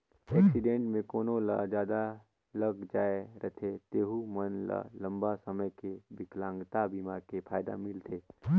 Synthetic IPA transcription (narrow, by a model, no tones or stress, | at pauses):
ɛːksɪɖẽːɳʈmẽkoːnola̰d͡ʒjaːd̪a | ləɡd͡ʒaːeɾət̪ʰet̪eːɦumənla̰lə̃mbasəməjkebɪklãːŋɡt̪abiːmakepʰaːjd̪a̰mɪlt̪ʰeː